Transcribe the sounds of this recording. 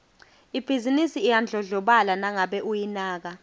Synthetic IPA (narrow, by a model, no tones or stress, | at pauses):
ib̥ʱizinisiːjand͡ɮʱɔɮɔɓalanaŋaɓɛʔujinaːk̬a